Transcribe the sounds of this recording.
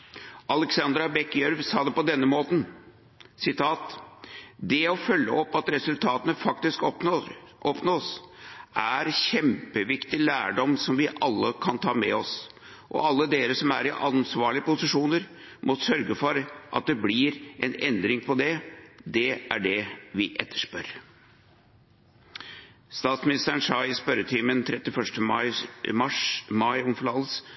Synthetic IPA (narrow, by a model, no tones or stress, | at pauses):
ʔɑlɛksɑnd̪ɾɑbɛkjœɾʋsɑːd̪ɛpɔd̪ɛnːəmoːt̪n̩ | sɪt̪ʰɑːt̪ | d̪ɛɔfœlːəʔɔpːɑt̪ɾɛsʉlt̪ʰɑːt̪ənəfɑk̚t̪ɪsk̪ | ɔpnosʔæɾɕɛmpəʋɪkt̪ɪlæːɖɔmsɔmʋɪʔɑlːəkʰɑnt̪ʰɑːmɛ̰ɔs | ʔɔ̰ɑlːəd̪eːɾəsɔmæɾɪʔɑnsʋɑːɭɪəpʊsɪʂuːnəɾ | mʔɔsœɾɡəfɔɾʔɑ̰t̪̚d̪ɛblɪɾʔɛnɛnd̪ɾɪŋpʰɔd̪ɛd̪ɛæ̰ɖɛʋɪʔɛt̪ʰːə̥ʂpœɾ | st̪ɑːt̪smɪnɪst̪əɾənʂɑɪɪspœɾət̪ʰiːmənt̪ʰɾɛt̪ːɪfœʂʈəmɑɪmɑʂmɑɪɔmfɭɑləs